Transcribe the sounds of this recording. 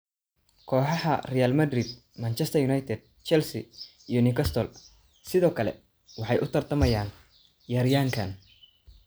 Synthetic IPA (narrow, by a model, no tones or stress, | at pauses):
kʰɔːħɑhɐ̰rɛjalmɐd̪rid̪̚ | mɐnt͡ʃʰɛst̪ʰɐjunajt̪ʰɛd̪̚ | t͡ʃɛlsḭː | jɔnɪkʰɐst̪ʰɔl | sɪðɔːkʰɐlɛ̰ | wɑħɑjʔʊt̪ʰɐrt̪ʰɐmɐjaːn | jɐɾjaːŋkʰɐn